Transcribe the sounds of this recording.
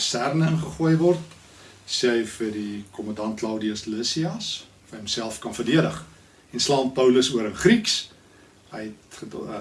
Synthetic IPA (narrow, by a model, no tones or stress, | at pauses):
stærnənχəχuəjvɔrt | siəjfədikɔmɐndɐntlɐwdiəsləsiɑs | fɐjɦɛmsælˠfkɐnfərdiəɾəχ | ɛnslɑːmpəwləsuəɾəχriks | ɦəjɛt̚χəd